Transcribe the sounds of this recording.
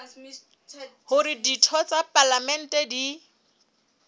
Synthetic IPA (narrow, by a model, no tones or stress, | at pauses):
hʊɾiditʰɔt͡sʼapalamɛn̩tʼɛdi